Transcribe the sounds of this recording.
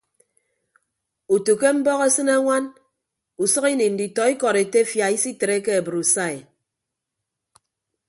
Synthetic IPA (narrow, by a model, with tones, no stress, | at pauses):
u˨tu˨ke˦m̩˦bɔ˦ɣe˦sɨ˦na˦ŋʷa˦n | u˨sʌ˦ki˦ni˨n̩˨di˨tɔ˨i˦kɔ˨ɾe˨te˦fja˨i˦si˦te˨ɾe˦ke˦a˨bɨ˨ɾu˨sa˦˨e˨